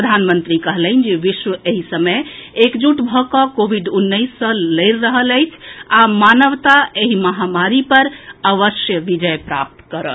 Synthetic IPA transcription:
pɾəd̪ʱanmənt̪ɾikəɦlənd͡ʒeʋiʃʋəʔeɦisəməjekd͡ʒuʈbʱɔkəkobʱiɖunːəsːə̃ləɪɾːəɦələjt͡ʃʰamanəʋt̪aeɦiməɦamaɾipəɾəʋəsjəʋid͡ʒəjpɾa̰p̚t̪kəɾə̰

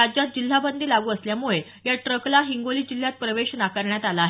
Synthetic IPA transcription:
ad͡ʑat̪̚d͡ʑil̤ːabənd̪ʱiːlaɡuːəsljamuɭe | jaʈɾəklaɦiŋɡoliːd͡ʑil̤ːjat̪̚pɾəʋeɕnakəɾɳjat̪alaːɦe

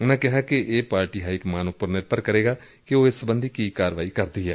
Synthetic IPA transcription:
ʊnãkɛɦakeʔeːpaːɾʈiːɦaːɪkmaːnopʊɾnɪɾpəɾkəɾeːɡaː | keoːɪsːəbə̃nd̪ʱikikaːɾəʋaːikɐɾd̪iɛː

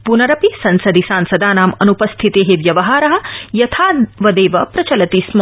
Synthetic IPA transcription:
punɐɾɐpisɐnsɐd̪isaːnsɐd̪aːnaːmɐnupɐst̪ʰit̪eːɦeʋjɐʋɐɦaːɾɐɦɐ̆jɐt̪ʰaːʋɐd̪eːʋɐpɾɐt͡ʃɐlɐt̪iːsmɐ

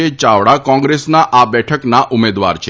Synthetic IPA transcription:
et͡ʃaʋɽakɔ̃ŋɡɾesnaʔabɛʈʰəknaʔumed̪ʋa̰ɾt͡ʃʰe

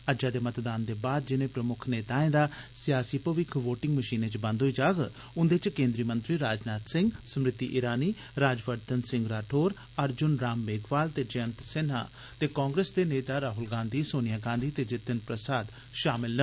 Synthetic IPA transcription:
əd͡ʒaːd̪eːmət̪d̪aːnd̪eːbaːd̪̚d͡ʒɪnẽːpɾəmʊkʰneːt̪aːẽːd̪aːsɪjaːsiːpəʋɪkʰʋoːʈɪ̃ŋɡməʃiːnẽːt͡ʃbə̃nd̪ʱɦoiːd͡ʒaːɡ | ʊnd̪et͡ʃkẽːnd̪ɾiːmə̃nt̪ɾiːɾaːd͡ʒnaːt̪sɪ̃ŋɡsəmɾɪt̪ːḭːʔɪɾaːniː | ɾaːd͡ʒʋəɾt̪ənsɪ̃ŋɡɾaːʈʰoːɾ | əɾd͡ʒʊnɾaːmːeːɡʋaːlt̪eːd͡ʒəənt̪sɪn̤a̰ːt̪eːkaːŋɡɾeːsd̪eːneːt̪aːɾaːɦʊlɡãːnd̪iːsoːnɪjaːɡãːnd̪iːt̪eːd͡ʒɪt̪ːənpɾəsaːd̪ | ʃaːmɪlnə

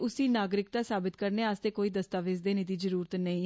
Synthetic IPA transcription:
ʊsiːnaːɡɾɪk̚t̪aːsaːbɪt̪kəɾneːaːst̪eːkoːiːd̪əst̪aːʋeːsd̪eːnɪt̪̬iːzəɾuːɾət̪nəĩː

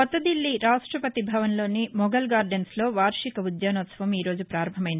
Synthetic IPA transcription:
ɔt̪ːɐd̪ilːiɾaːʂʈɾɐpɐt̪ibʱɐʋɐnlo̞ːnimɔɡɐlɡaːɾɖenslo̞ːʋaːɾʂikɐud̪jaːnɔːt̪sɐʋɐmiːɾo̞ːd͡ʒupɾaːɾɐmɐmɐjind̪

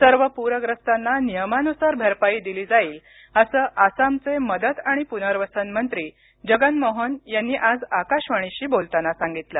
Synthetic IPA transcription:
səɾʋəpuɾəɡɾəst̪anːanijəmanusaɾbʱəɾpaiːd̪iliːd͡zaiːl | əsəːʔasamt͡seməd̪ət̪aɽ̃ipunəɾʋəsənmənt̪ɾiː | d͡ʑəɡənmoɦənjanːiːʔad͡zakaɕʋəɽ̃iɕiːbolt̪anasãŋɡit̪lə

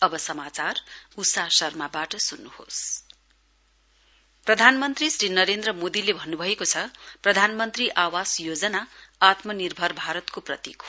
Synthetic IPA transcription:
ʌbʌsʌmat͡sarusasʌrmabaʈʌsunːuhos | prʌd̪ʱanmʌnt̪risrinʌɾend̪rʌmod̪ilebʱʌnːubʱʌekot͡sʰʌprʌd̪ʱanmʌnt̪riʔawasjod͡zʌnaat̪mʌnirbʱʌrbʱaɾʌt̪koprʌt̪ḭk

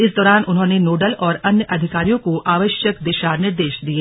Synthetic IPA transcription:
ɪsd̪ɔːɾaːnʔʊnɦõːnenoːɖəlɔːɾɐnjəʔɐd̪ʱɪkaːɾijõkoʔaːʋəʃjəkd̪ɪʃaːɾnɪɾd̪eːʃd̪ieː

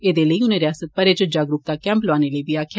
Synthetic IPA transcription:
eːd̪eːləiːʊnẽːɾɪjaːsət̪̚pəɾeːt͡ʃəd͡ʒaːɡɾʊp̚t̪aːkɛ̃ːmplaːneːləiːbiːaːkʰa

